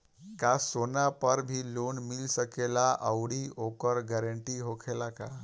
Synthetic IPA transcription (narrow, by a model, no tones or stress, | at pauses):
kasonapəɾbʱilonmilsəkelaʔəwɽiokəɾɡɛɾəɳʈiɦokʰelaka